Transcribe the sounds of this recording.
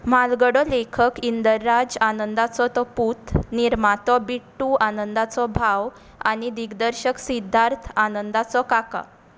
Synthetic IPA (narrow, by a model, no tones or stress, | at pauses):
malɡəɽɔlekʰəkind̪əɾːad͡zanənd̪at͡sɔt̪ɔput̪niɾmat̪ɔbiʈːuʔanənd̪at͡sɔbʱaw | a̰ñid̪iɡd̪əɾɕəksid̪ʱːaɾt̪ʰanənd̪at͡sɔkaka̰